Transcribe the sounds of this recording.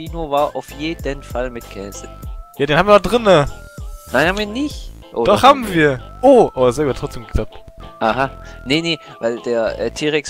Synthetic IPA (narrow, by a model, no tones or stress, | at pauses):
iːnoːvaːɐʔa̰ʊfjeːdən̩falmɪtkʰɛːsəjaːdeːnhabm̩viːnɔχd̥ʁɪnənaɪnhaːbmviːɐnɪçt | ʔo̰d̥ɔχhaːbm̩viːɐʔoːʔoaszɛɡuhatʁ̥ɔt͡steːmɡəkʰl̥ap̚tʔahanəne | vaɪldeːɐʔɛ̰ːtʰiːʁɛks